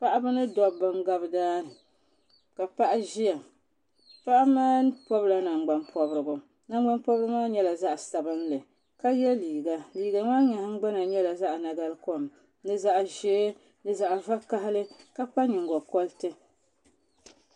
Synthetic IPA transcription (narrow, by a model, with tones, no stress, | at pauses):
pa˦ʔa˦bɨ˦nɨ˦dɔ˨bɨ˨ŋ˦ɡa˦bɨ˦daː˦nɨ˨ | ka˨pa˦ʔa˦ʒi˦ja˨ | pa˦ʔa˦maː˦pɔ˦bla˨na˨ŋ͡mɡ͡ba˦npʰɔ˦bɾɨ˨bʊ˨ | na˦˨ŋɡ͡ba˦npɔ˦bɾɨ˦maː˦ɲɛ˦la˨za˦ʔsa˨bɨ˦nlɨ˨ | ka˦jɛ˦liː˨ɡa˨liː˨ɡa˨maː˦ɲa˨hŋ͡mɡ͡ba˦na˨ɲɛ˦la˨za˦ʔna˨ɡa˦lko˦m | nɨ˦za˦ʔʒe˦ | nɨ˨za˨ʔva˦ka˦ɦlɨ˦ka˦pa˦ɲɪ˨ŋɡɔ˨kɔ˦ltɨ˦